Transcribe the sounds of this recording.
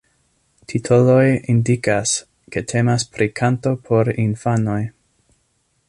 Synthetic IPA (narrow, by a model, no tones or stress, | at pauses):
tʰitʰolo̞jindikas | ke̞tʰe̞maspɾikʰanto̞pʰo̞ɾinfano̞j